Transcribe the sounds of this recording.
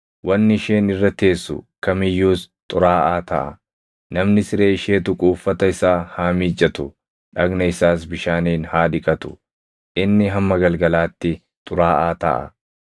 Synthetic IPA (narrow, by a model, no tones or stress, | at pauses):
wʔɐnːɪɪʃeːnɪrːɐt̪e̞ːsːʊ̰kɐmɪjːuːst̪ʼʊɾaːʔaːt̪ɐ̰ʔɐ̰ | nɐmnɪsɪɾe̞ːɪʃe̞ːt̪ʊkʼuːfːɐt̪ɐɪsaːhaːmiːd͡ʒʼːɐt̪ʊ | ᶑɐɡnɐɪsaːs̬bɪʃaːniːnhaːd̪ɪkʼɐt̪ʊ̥̰ | ʔɪnːɪɦɐmːɐɡɐlɡɐlaːt̪ːɪ | t̪ʼʊɾaːʔaːt̪ɐ̰ʔɐ̰